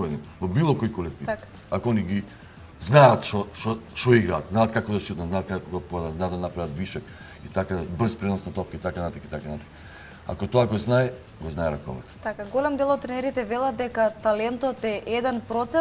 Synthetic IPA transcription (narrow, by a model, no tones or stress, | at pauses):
ɛd̪ivɔbilˠɔkɔjkɔlɛk̪nit̪ak | akɔɔniɡi | znaat̪ʃɔʃɔʃɔiɡɾaːt̪znaːt̪̚kakɔd̪aʃtit̪naznat̪̚kakoɡapɔd̪aznad̪d̪anapɾavat̪biʃɛk | it̪akabr̩spɾɛnɔsnat̪ɔp̚kit̪akanat̪akit̪akanat̪ḁka | a̰kɔt̪ɔaɡɔznaɛ | ɡɔznaɛɾakɔ̰vɛ̰t̪t̪akaɡolɛmd̪ɛlˠɔt̪̚t̪ːɾɛnɛɾit̪ɛvɛlˠad̪̚d̪ɛkat̪alɛnt̪ɔt̪ɛʔɛd̪ɛnpɾɔt̪sɛ